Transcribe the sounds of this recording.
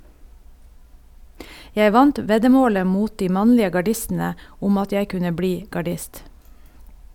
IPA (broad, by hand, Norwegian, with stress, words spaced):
ˈjɛ ˈʋɑnt ˈʋɛdəˌmoːlə ˈmuːt ˈdiː ˈmɑnlɪə ɡɑˈɖɪstn̩ə ˈʊm ˈɑt ˈjæɪ ˈkʉnə ˈbliː ɡɑˈɖɪst